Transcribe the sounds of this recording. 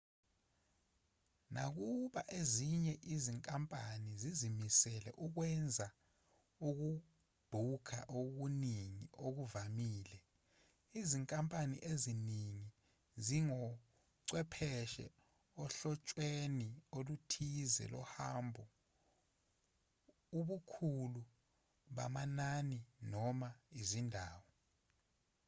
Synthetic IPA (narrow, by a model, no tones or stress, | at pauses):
nʔak̬uɓaʔeziɲɛʔiziŋkʼampʼanizizimisɛlɛ̰ʔuk̬wɛnd͡zʱa | uk̬u | b̥ʱukʰa̰ʔok̬uniŋiʔok̬uvamiːlɛ | iziŋkʼampʼanḭʔeziniŋi | ziŋɔ | ǀwɛpʰɛʃɛ̰ | ɔɬɔt͡ʃʼweniolutʰizɛ̰lɔhambʱɔ | uɓukʰulu | ɓamananinɔmaizindʱaːwɔ